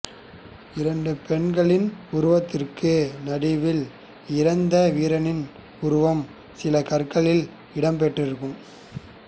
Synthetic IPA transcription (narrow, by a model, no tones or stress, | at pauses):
ɪɾɐɳɖɯpɛɳɡɐɭɪnʊɾʊʋɐt̪ːɪrkɯnɐɽɪʋɪl | ɪɾɐnd̪ɐʋiːɾɐnɪn | ʊɾʊʋɐm | sɪlɐkɐrkɐɭɪl | ɪɽɐmp̬ɛʈrɪɾɯkːɯm